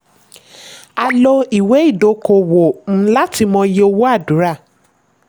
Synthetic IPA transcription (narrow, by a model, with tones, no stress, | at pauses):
a˧lo˧i˨we˨˦i˦˨do˨˦ko˨wo˨˦˨la˦ti˧mɔ̃˧je˦o˧wo˦a˦˨du˨˦ɾa˦˨